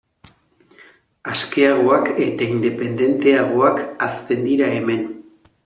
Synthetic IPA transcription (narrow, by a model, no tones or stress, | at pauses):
aske̞aɣ̞o̞ake̞t̪aind̪e̞pe̞nd̪e̞nt̪e̞aɣ̞o̞akast̪e̞nd̪iɾae̞me̞n